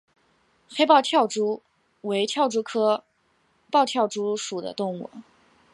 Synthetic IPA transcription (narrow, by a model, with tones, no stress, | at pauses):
xe˥ɪpɑ˥˧ʊt̪ʰjɑ˥˩ʊʈ͡ʂu˥ | we˧˥ɪt̪ʰjɑ˥˩ʊʈ͡ʂu˥kʰɤ˥ | pɑ˥˧ʊt̪ʰjɑ˥˩ʊʈ͡ʂu˥ʂu˨˩d̪ə̰˦t̪ʊ˥˧ŋṵ˥˩